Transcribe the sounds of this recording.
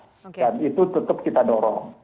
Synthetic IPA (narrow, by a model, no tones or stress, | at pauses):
danit̪ut̪ət̪əp̚kit̪adɔɾɔ̰ŋ